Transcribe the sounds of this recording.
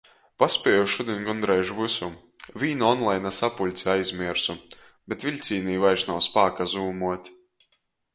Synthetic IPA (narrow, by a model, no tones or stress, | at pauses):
paspʲiɛjɔʃud̪ʲiɛnʲɡɔnd̪ɾɛjʒvɨsu | vʲiːnɔnlˠajnasapulʲt̪siajzʲmiɛɾsu | bet̪vʲiʎʲt̪sʲiːniːvajʃnawspaːkazuːmuɔt̪ʲ